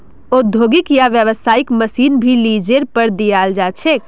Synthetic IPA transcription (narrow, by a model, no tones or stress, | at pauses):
od̪ʱoɡɪkjaʋjəʋəsaːɪkməsiːnbʱilid͡ʒeɾpəɾd̪ijaːld͡ʒat͡ʃʰɛk